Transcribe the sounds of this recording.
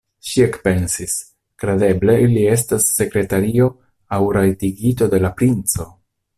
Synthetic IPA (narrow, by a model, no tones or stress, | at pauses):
ʃiekpe̞nsis | kɾede̞ble̞ilie̞s̬tasːe̞kɾe̞taɾio̞ | awɾajtiɡito̞de̞lapɾint͡so̞